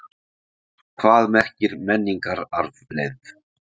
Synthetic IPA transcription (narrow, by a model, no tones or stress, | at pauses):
kʰvaːðmɛr̥cɪɾmɛnːiŋkaɾaɾvlejð